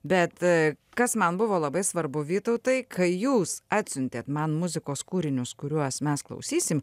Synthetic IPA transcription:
bʲɛt̪ | kɐsmɐnbʊʋoːlˠɐbɐɪsʋɐɾbʊʋʲiːt̪oʊt̪ɐɪkʰɐɪjuːsɑːt̪ʲsʲʊnʲt̪ʲeːt̪mɐnmʊzʲɪkoːskuːɾʲɪnʲʊskʊɾʲuɔsmʲɛsklˠɐ̰ʊsʲiːsʲɪm

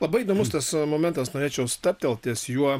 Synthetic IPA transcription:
lˠɐbɐɪid̪oːmʊst̪ɐsmoːmʲɛnt̪ɐsnoːɾʲeːt͡ʃʲɛʊst̪ɐp̚ʲt̪ʲɛlˠt̪ʲiɛsjuɔ

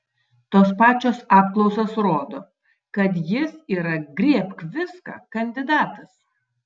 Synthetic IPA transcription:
t̪oːspɑːt͡ʃʲoːsɑːpklˠɔʊsosɾoːd̪o | kɐt̪̬jɪsiːɾɐɡɾʲiɛpkʋʲɪskɑ̰ːkɐnʲd̪ʲɪd̪ɑːt̪ɐs

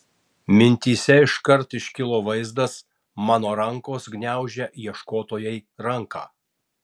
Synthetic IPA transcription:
mʲɪnʲt̪ʲiːsʲɛɪʃkɐɾt̪ɪʃʲkʲɪlˠoːʋɐɪzd̪ɐs | mɑːnoːɾɐŋkoːsɡnʲæˑʊʒʲɛʔiɛʃkoːt̪oːjɛɪɾɐŋkɑ̰ː

